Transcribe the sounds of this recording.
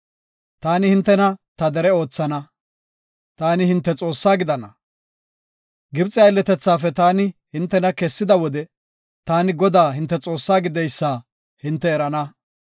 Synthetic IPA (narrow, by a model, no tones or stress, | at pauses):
t̪aːnɪhɪnt̪ːɛnɐt̪ɐd̪ɛɾɛo̞ːt͡sːɐnɐ | t̪aːnɪhɪnt̪ːɛt͡sʼo̞ːsːaːɡɪd̪ɐnɐ | ɡɪbt͡sʼɪɐɪlːɛt̪ɛt͡sːaːfɛt̪aːnɪhɪnt̪ːɛnɐkɛsːɪd̪ɐwɔd̪ɛ | t̪aːnɪɡɔd̪aːɦɪnt̪ːɛt͡sʼo̞ːsːaːɡɪd̪ɛjsːaː | hɪnt̪ːɛːɾɐnɐ